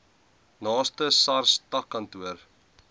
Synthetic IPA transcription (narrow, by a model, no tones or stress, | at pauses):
nɑːstəsɐrstɐkːɐntuər